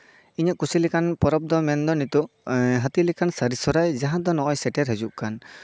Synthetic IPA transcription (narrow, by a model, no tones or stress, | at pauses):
iɲɔʔkusilɛkanpɔɾɔb̚d̪ɔmɛnd̪ɔnit̪ɔʔɦat̪ilɛkansaɾisɔɾajd͡ʒaɦãd̪ɔnɔʔɔjsɛʈɛɾɦed͡ʒuʔkan